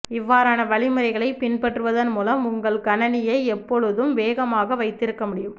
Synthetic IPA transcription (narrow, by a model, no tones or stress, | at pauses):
ɪʋːaːɾaːnɐʋɐɭɪmɯɾɐɪɣɐɭɐɪpɪnpɐʈrɯʋɐðɐnmuːlɐmʊŋɡɐɭkɐnɐnɪjɐɪɛpːɔɻɯðɯmʋeːɣɐmaːɣɐʋɐɪt̪ːɪɾɯkːɐmʊɽɪjɯm